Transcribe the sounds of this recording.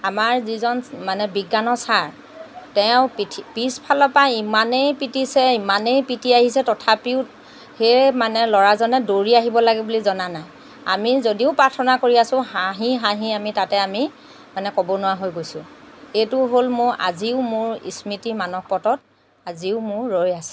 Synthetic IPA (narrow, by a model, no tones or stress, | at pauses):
amaɹzizɔnmanɛbiɡːanɔsaɹ | tɛʊptʰpispʰalɔpajimanejpitisɛimanejpitiaɦisɛtɔtʰapiʊ | hemanɛlɔɹazɔnɛdoɹiaɦibɔlaɡɛbulizɔnanaj | a̰mizodiʊpɹaɹtʰɔnakoɹiasʊ̃ɦaɦiɦaɦĩamitatɛami | manɛkɔbɔnʊwaɦojɡojsʊ̃ | etʊɦolmʊɹa̰ziʊmʊɹḭsmitimanɔk̚pɔtɔt̚ | aziʊmʊɹɹojasɛ̥